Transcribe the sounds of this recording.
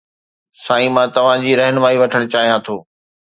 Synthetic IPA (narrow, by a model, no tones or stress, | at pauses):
sãːĩmãːt̪ɐʋ̤ãd͡ʑiːɾɛɦɪnɪmaːiʋɐʈʰəɽ̃t͡ɕaːɦijãt̪ʰoː